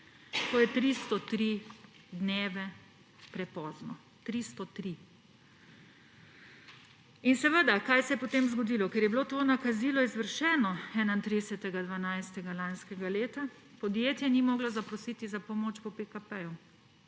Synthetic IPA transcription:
t̪oːjɛt̪ɾist̪ɔt̪ɾi | d̪neːʋɛ | pɾɛpɔːznɔ | t̪ɾist̪ɔt̪ɾi | insɛʋəd̪akaːjsɛjɛpɔt̪emzɡɔd̪ilɔkɛɾjɛbiloːt̪oːnakazilɔizʋəɾʃɛːnɔɛːnaint̪ɾid̪sɛt̪ɛɡad̪ʋanajst̪ɛɡalanskɛɡaleːt̪a | pɔd̪jeːt̪jɛnimɔːɡlazapɾɔsiːt̪izapɔmoːt͡ʃpɔpekapɛju

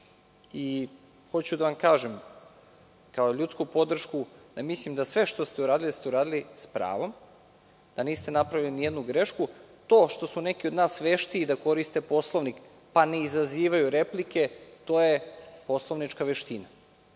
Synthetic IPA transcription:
i | xo̞t͡ɕud̪aʋamkaːʒem | kaoʎut̪skupo̞d̪r̩ʃkud̪̥amislimd̪asʋe̞ʃt̪o̞st̪euɾaːd̪ilid̪ast̪e̞uɾaːd̪ilispɾa̰ːʋo̞m | d̪̥aniːst̪e̞napɾaʋilinijed̪nuɡɾe̞ʃku | t̪o̞ːʃt̪osune̞kio̞d̪naːsʋeʃt̪iːd̪ako̞ɾist̪epo̞slˠo̞ʋnik | paneizaziːʋajuɾe̞plike̞t̪o̞jepo̞slˠo̞ʋnit͡ʃkaʋeʃt̪ina

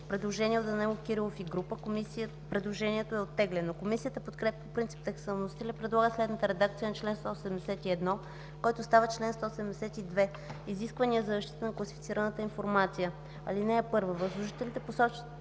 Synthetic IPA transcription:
pɾɛd̪lˠoʒɛniɛot̪ɐnɛlokiɾilˠofiɡɾupəkomisi | pɾɛd̪lˠoʒɛniɛt̪oɛot̪ːɛɡlɛnokomisijət̪əpot̪kɾɛpjəpopɾint̪si̥p̚t̪ɛksəlˠnosit̪ilʲɛpɾɛd̪lˠaɡəslɛd̪nət̪əɾɛd̪ak̚t̪sijənɐt͡ʃlɛnst̪ɔosɛmd̪ɛsɛt̪iɛd̪nɔ | kɔjt̪ost̪avət͡ʃlɛnst̪ɔsɛd̪md̪ɛsɛt̪id̪vɛ | iziskvəniəzɐzɐʃt̪i̥t̪ənɐklˠɐsi̥fi̥t̪iɾənət̪əinfoɾmat̪sijə | ɐ̰linɛːpɤɾvəvɐzlˠoʒit̪ɛlnit̪ɛposɔt͡ʃi̥

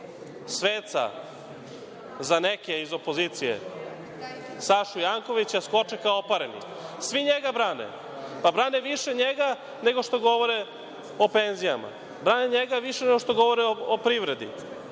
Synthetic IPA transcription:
sʋeːt̪sa̰ | zanekeizo̞po̞zit̪sijḛ | saʃujaŋko̞ʋit͡ɕasko̞t͡ʃɛkaoopaɾenḭ | sʋiɲeɡabɾaːnḛ | pabɾaːneʋiʃe̞ɲeɡa | ne̞ɡo̞ʃt̪o̞ɡo̞ʋoɾe | openzijama̰ | bɾaːneɲeɡaʋiʃeneɡoʃt̪o̞ɡo̞ʋo̞ɾeoopɾiʋɾe̞d̪ḭ

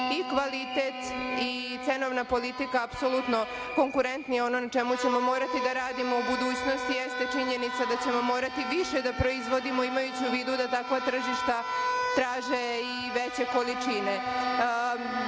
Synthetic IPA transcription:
ikʋalit̪e̞t̪it̪se̞no̞ʋnapo̞lit̪ikaːpso̞lut̪no̞ | ko̞ŋkuɾe̞nt̪nijeo̞nonat͡ʃe̞mut͡ɕe̞mo̞mo̞ːɾat̪id̪aɾaːd̪imo̞ubud̪uːt͡ɕno̞st̪ijest̪e̞t͡ʃiɲe̞nit̪sad̪at͡ɕe̞mo̞mo̞ːɾat̪iʋiʃe̞d̪apɾo̞izʋo̞d̪imo̞imajut͡ɕuʋiːd̪ud̪at̪akʋat̪r̩ʒiʃt̪at̪ɾaːʒei | ʋet͡ɕe̞ko̞lit͡ʂine̞

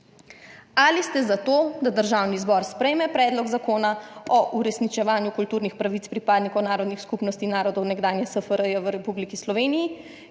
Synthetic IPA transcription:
alist̪ɛzat̪oːd̪ad̪əɾʒawnizbɔɾspɾɛjmɛpɾɛːd̪lɔɡzakoːnaɔʔuɾɛsnit͡ʃɛʋaːnjukult̪uːɾnixpɾaʋit̪t͡s̪pɾipaːd̪nikɔwnaːɾɔd̪nixskupnɔst̪inaːɾɔd̪ɔwnɛɡd̪aːnjɛsəfəɾəjɛʋəɾɛpublikislɔʋeːnijː

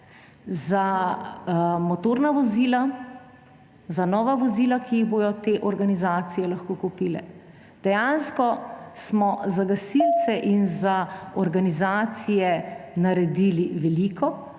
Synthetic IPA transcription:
za | mɔt̪oːɾnaʋɔziːla | zanɔːʋaʋɔziːlakiːɣbojɔt̪eːʔɔɾɡanizaːt̪sijɛlɐxkoːkupiːlɛ̰ | d̪̥ɛjaːnskɔsmɔzaɡasilt̪sɛʔinzaɔɾɡanizaːt̪sijɛnaɾɛd̪iːliʋɛliːkɔ

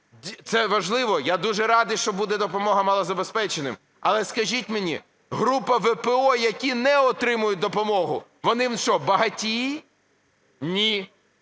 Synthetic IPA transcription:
t̪sɛʋɐʒlˠɪʋɔjad̪uʒɛɾɑd̪ɪʃt͡ʃɔbud̪ɛd̪ɔpɔmɔɦɐmɑlˠɔzɐbespɛt͡ʃenɪm | ɐlˠɛskɐʒʲitʲmenʲḭ | ɦɾupɐʋɛpeɔjɐkʲinɛɔt̪ɾɪmʊjʊt̚ʲd̪ɔpɔmɔɦʊʋɔnɪmnt͡ʃɔbɐɦɐtʲi | nʲi

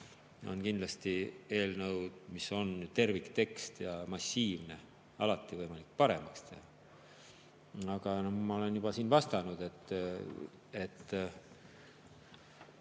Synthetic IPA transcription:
jo̞̰nkind̪lɑst̪ie̞ːlnɤwd̪̥miso̞nt̪e̞rvikt̪e̞kst̪jɑmɑsːiːvne̞ | ɑ̰lɑt̪ːˑivɤjmɑlik̚ːpɑɾe̞mɑkst̪ehɑ | ɑɡ̥ɑnomɑo̞le̞njub̥ɑsiːnvɑst̪ɑnud̪̥e̞t̪ː | et̪ː

